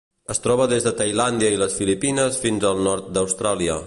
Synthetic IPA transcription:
əst̪ɾɔβəðezðət̪əjland̪iəiləsfilipinəsfinzəlˠnɔɾt̪̚d̪əwst̪ɾaliə

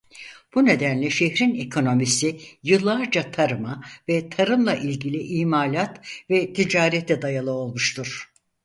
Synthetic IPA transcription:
b̥une̞d̪ænlʲɛʃeçɾinekʰo̞no̞misijɯlˠːaɾd͡ʒat̪ʰaɾɯmavɛt̪ʰaɾɯmlˠaʔilʲɟilʲiʔiːmaːlʲat̪vɛt̪ʰid͡ʒaːɾɛt̪ːɛd̪ajalˠɯo̞lˠmuʃt̪ʰuɾ̥

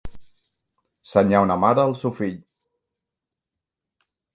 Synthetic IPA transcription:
səɲawnəmaɾəːlˠsewfiʎ

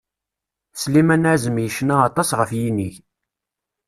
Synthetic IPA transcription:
slimænæʕzəmjiʃnaːt̪ˤɑsʁəfjiniç

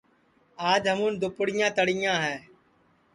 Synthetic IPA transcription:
aːd͡ʒɦəmũːnd̪ʊpʊɽɪjãːt̪əɽɪjãːɦɛː

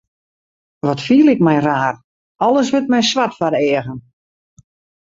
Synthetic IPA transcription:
ʋɔtfiəlˠɪkmɛjraːr | ɔlˠəsʋɪt̚mɛjsʋatfaɾɛːəɣən

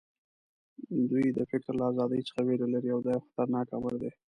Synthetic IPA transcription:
d̪ujd̪əfɪkɾlaazɑd̪əjt͡sə̥xaweɾalaɾiawd̪ɑjawxḁt̪aɾnɑka̰ma̰ɾd̪e

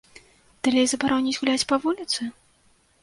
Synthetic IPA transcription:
d̪̥alʲɛjzɐbaɾɔwnʲit͡sʲɣulʲat͡sʲpɐvulʲit̪sɨ

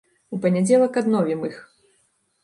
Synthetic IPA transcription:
upɐnʲɛd͡zʲɛlˠɐkad̪nɔvʲimɨx

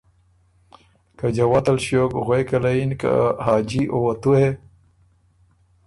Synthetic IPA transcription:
kad͡ʑawat̪alɕoːkɣwejkalainka̰haːd͡ʑiʔowat̪ue

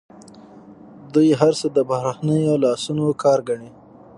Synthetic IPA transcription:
d̪ujɦaɾsəd̪əbahɾaxnəjolɑsunokʰɑːɾɡaɳi

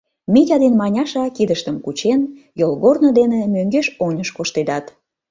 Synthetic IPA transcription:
mitʲɑd̪enmɑnʲɑʃɑkid̪əʃt̪əmkut͡ɕen | jolˠɣornod̪enemøŋɡeʃonʲəʃkoʃt̪ed̪ɑt̪

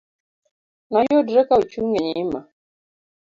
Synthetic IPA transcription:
najɔdɾɛkaut͡ʃuŋɡɛɲima

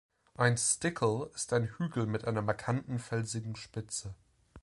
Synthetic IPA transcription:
ʔaɪnstɪkʰl̩ɪstaɪnhyːɡl̩mɪtʔaɪnɐmaɐkʰantn̩fɛlzɪɡŋ̩ʃpɪt͡sə

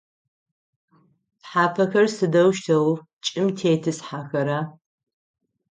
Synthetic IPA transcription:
ħaːpʰɐxɐrsɨdɐwʃtʰɐw | t͡ʃʼɪmtʰeːtʰɨsħaːxɐɾaː

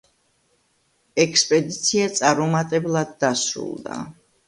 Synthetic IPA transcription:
ɛkspʼɛd̪it̪sʰiat̪sʼaɾmɔmat̪ʼɛblˠad̪ːasɾṵlˠd̪a̰

